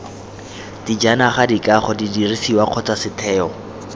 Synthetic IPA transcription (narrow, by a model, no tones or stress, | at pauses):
did͡ʒanaχadikaχɔdidirisiwaq͡χʰɔt͡sasɪtʰɛːɔ